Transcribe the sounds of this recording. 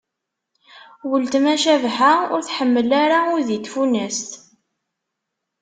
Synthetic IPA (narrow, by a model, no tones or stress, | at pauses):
wəlt̪mæʃævħaʊɾθħəmːəlaɾaʊðit̪funæst̪